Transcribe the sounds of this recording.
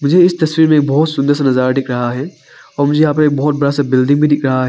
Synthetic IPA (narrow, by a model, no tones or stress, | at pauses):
mʊd͡ʒʱeɪst̪ɐswiːɾmẽːk̚bɔːʊt̪sʊ̃nd̪əɾsanɐzaːɾaɖɪkɾɐɦaɦɛː | ɔːɾmʊd͡ʒʱejaːp̬ɐɾeːk̚bɔɦʊt̪̚bɐɽasabɪlɖɪ̃ŋɡbʱidɪkʰɾɐɦaɦɛː